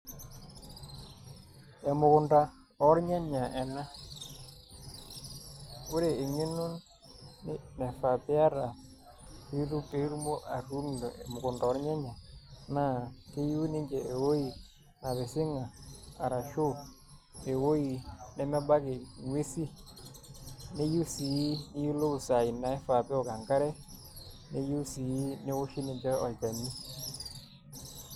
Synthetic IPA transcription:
ɛ˨mʊ˨kʊ˨nda˨ | ɔ˦ɾɲa˦ɲa˨ʔɛ˨na˦ | ʊ˦ɾe˨ɪ˨ŋɪ˦nʊ˦nː | ɪ˦nɛ˨fa˨pɪ˦a˦ɾa˨ | i˦ɾu˦te˨i˦ɾu˦mo˦ʔa˨ɾu˦ndɔ˨ʔɛ˨mʊ˨kʊ˨nda˨ɔ˦ɾɲa˦ɲa˨na˦˨ke˦ju˦nɪ˦ɲd͡ʒɛ˨e˨wo˦ji˨ | na˨βe˨sɪ˦ŋaː˨ɾa˨ʃo˦˨ | e˨wo˦i˨nɛ˦mɛ˦ba˦kɪ˨ŋwe˦si˦ | ne˦ju˦si˨˦nɪ˦ju˦lo˦ku˨sa˨i˨na˨ɛ˦fa˨pɛ˦ɔ˨ka˨ŋka˦ɾɛ˦ | ne˦ju˦si˨i˦nɪ˦wo˦ʃi˦nɪ˨d͡ʒɛ˦ɔ˨ld͡ʒa˨ni˦

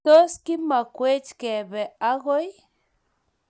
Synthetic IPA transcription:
to˦ski˦makʷe˦t͡ʃke˨βe˨aɣoj

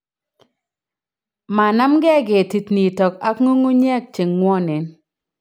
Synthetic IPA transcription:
ma˨na˦mɡɛ˦ɡɪ˨ti˨tni˨tɔ˨ka˦kŋo˦ŋo˦ɲɛ˦˨k̚t͡ʃe˨ŋːwɔ˦nɪ˨n

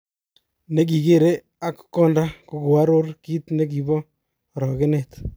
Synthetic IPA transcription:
ne˦k̬i˨ke˦˨ɾe˦ | a˦kkːɔ˦nda˦ku˨ko˨a˦ɾo˦rkiː˦t̪ne˦k̬i˨bɔ˦˨ | ɾɔ˨ke˦ne˨t̪

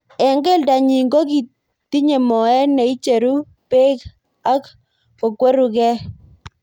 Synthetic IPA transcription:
ɛ˨ŋɡe˦˨lda˨ɲi˨ŋɡo˦ki˨ | ti˦ɲe˨mɔ˨ɛ˦ne˨i˦t͡ʃe˨ɾu˦ | pe˦k | a˦k | ko˨kwe˦ɾu˨kɛ˦

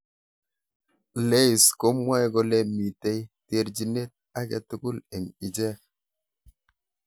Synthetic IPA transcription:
le˦˨sko˨˦mwa˦jɡo˨le˦mi˨te˦jte˦ɾd͡ʒi˨ne˦t̚a˦kɛ˨tu˨ɡu˦le˨ŋi˨d͡ʒɛ˦

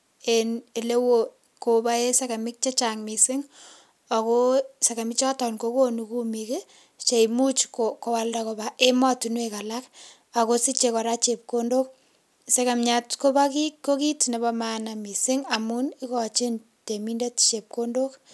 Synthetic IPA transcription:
e˨ne˨le˦wo | ko˨ba˦e˦se˦ka˨mɪ˦k̚t͡ʃe˦t͡ʃaŋmisɪ˦ŋ | a˨koseka˨mɪt͡ʃa˦tɔ˨nko˦ko˦nuku˦mike˦ | t͡ʃe˨jmu˦t͡ʃkoko˦wa˦ldakobaʔe˦ma˦tunweka˨la˦k | a˨ko˦si˦t͡ʃekɔ˨ɾa˦t͡ʃep̚ko˦ndo˦k̚ | se˦kamɲatko˦ba˦kikːo˦ki˦tne˨ba˦manami˨sɪ˦ŋa˨mu˦ni˦kɔt͡ʃi˦n | teminde˦tt͡ʃe˨p̚ko˦ndo˦k

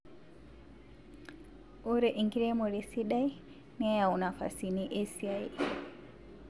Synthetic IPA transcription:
o˦ɾɛ˨ʔi˨ŋɡi˦ɾe˦mo˨ɾe˨si˦ɗa˦i˦ | ni˦a˦ja˨u˨na˨fa̰˨si˨niʔe˦si˨a˦i

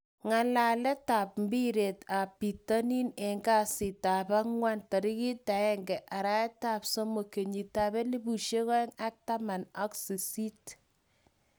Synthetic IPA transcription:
ŋa˨la˨lɛ˦ta˨p̚m˦bi˦ɾe˨ta˨pi˨ta˦ni˦nɛ˨ŋɡa˦si˨ta˨ba˦ŋwa˦nta˨ɾi˦ki˦ta˨ɛ˦ŋɡɛ˨ʔa˨ɾa˦ɛ˦ta˨psɔ˦mo˨ke˨ɲi˨ta˨bɛ˦li˦bu˨ʃe˦kɔ˦ɛ˦ŋa˦k̚ta˦ma˨nɔ˦ksi˨si˦t

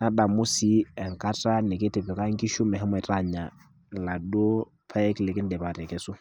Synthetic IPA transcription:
na˦da˨mu˦si˦ɛ˨ŋka˦ta˦nɪ˨ke˦tɪ˨pɛ˨ka˦ŋki˦ʃu˦mɛ˨ɦɛ˦mɔ˨ta˦ɲa˨ | la˨do˦ | pʰa˦ɛ˦kle˨kɪ˦ndɛ˨pa˨tɛ˨kɛ˨sʊ˦

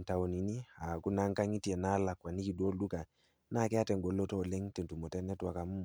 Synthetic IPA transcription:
nta˨wo˨ni˨ni˦a˨ku˦na˦ŋka˦ŋi˦ti˦ɛ˨na˦la˨kwa˨ni˦ki˨do˦lɗu˦ka˨ | na˦˨kɛ˦a˦tɛ˨ŋɡɔ˨lːɔ˦tɔ˦˨lɛ˦ŋtɛ˨ntu˨mɔ˨tɛ˦nɛ˦twa˨ka˨mu˦m

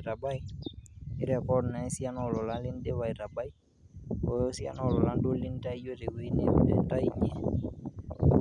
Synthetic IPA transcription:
ɾa˨ba˦i˨ | ɪ˦ɾɛ˨kɔ˦dna˨i˦si˦a˦nɔ˦˨lɔ˨la˦lɪ˦n˦de˦wa˨i˨ɾa˨ba˦i˦ | ɔ˨jɔ˦si˦a̰˦nɔ˦˨lɔ˨la˦ndo˦li˦n˦ta˦i˦jo˦ɾe˨we˦i˦ne˦ɛ̰˨˦ta˦i˦ɲɛ˨

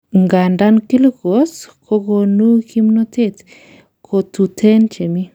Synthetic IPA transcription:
ŋɡa˨nda˦nki˦lɡo˨˦skʰo˦ɣo˧nu˦ki˦mno˦t̪e˦˨t̪ | kʰo˨t̪u˨tʰe˦nt͡ʃe˨mi˦

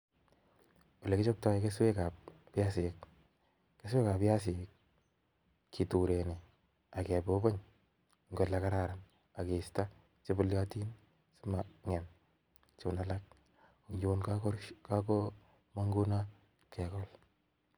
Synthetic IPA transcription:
wo˨le˨kɪ˦t͡ʃo˦p̚ta˦ike˦swe˦ka˨p̚ | pja˦sɪ˨k | ke˦swe˦ka˨pja˦sɪ˨k | i˨tu˨ɾe˨ne˨ | a˨kɛ˨bo˦bo˦ɲ | ŋɡo˨la˨ka˦ɾaɾa˨n | a˨ke˨sta˦ | t͡ʃe˦bʊ˦lja˦ti˦n | sɪ˦ma˨ŋɛ˨n | t͡ʃo˨na˦la˦k̚ | u˨ɲd͡ʒonkkka˦ko˦ | ma˦ŋɡu˦na˦ | kʰɛ˨kɔ˦l

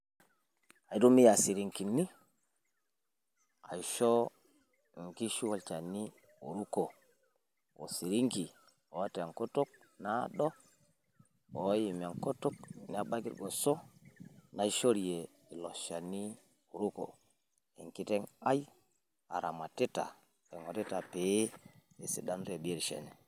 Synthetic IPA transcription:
a˨ji˨du˦mi˦ja˨si˨ɾi˨ŋki˨ni˦ | a̰˨i˨ʃo˦ | ŋki˦ʃu˦wo˨lt͡ʃa˨ni˦ | ṵ˨ɾu˦ko˨ | wo̰˨si˨ɾi˦ŋki˨ | o˨˦te˨a˨ŋko˦to˦k̚ | na˦ɗo˦ | o˨˦ji˨ma˨ŋko˦to˦k̚ni˦a˨ba˦ɡḭ˦ɾɡo˨so˦ | na˦i˦ʃo˦ɾi˨je˨ | i˨lo˨ʃa˨ni˦ | u˨ɾu˦ko̰˨ | e˨ŋki˦te˦ŋa˦j | a̰˨ɾa˨ma˨ti˦ta̰˨ | e˨ŋo˨ti˦ta˨pe˨˦e˨sḭ˨da˦nɾe˨bi˦ɾʃḛ˨ne˨

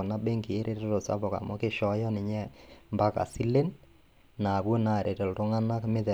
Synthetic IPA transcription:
o˨na˦be˦ŋki˨e˦ɾʔe˦to˦ɾo˨sa̰˦bɔ˨ka̰˨mɔ˦kɪ˦ʃɔ˦jɔ˦nɪ˨ɲɛ˦mba˦ka̰˨si˦le˦nː | a˨bwo˦na˨ɾʔe˨te˨lto˦ŋa˦na˦kmɪ˦ðɛ˨

